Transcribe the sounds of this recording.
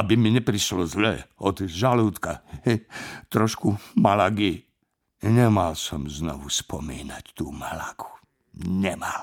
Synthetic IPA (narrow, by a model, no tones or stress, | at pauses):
abimiɲɛpɾiʃlɔzlɛɔd̪ʒaluːt̪kaɛt̪ɾɔʃkumalaɡi | ɲɛmalsɔmznɔʋuspɔmḭːnact̪uːmalaɡu̥ | ɲɛmal